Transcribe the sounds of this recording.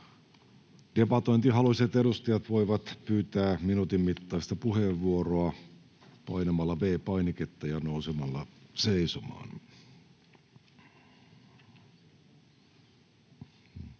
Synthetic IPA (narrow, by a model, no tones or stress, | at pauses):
d̥e̞pɑt̪oint̪iɦɑluiset̪eɾust̪ɑjɑt̪ʋo̞iʋɑt̪pyːt̪æːminut̪immit̪ːɑist̪ɑpuheʋːuoroɑ | pɑinɑmɑlːɑʋeːpɑiniket̪ːɑjɑnousemɑlːɑseisomɑ̰ːn